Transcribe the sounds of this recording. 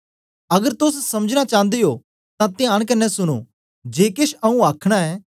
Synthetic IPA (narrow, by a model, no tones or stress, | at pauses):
ɐɡəɾt̪ʊssɐməd͡ʒɽ̃at͡ʃãːnd̪eɦo | t̪ãt̪ɪjaːɽ̃k̬ɐɾnɛsʊɽ̃o̰ː | d͡ʒeːkeʃɐũaːkʰɽ̃aɛː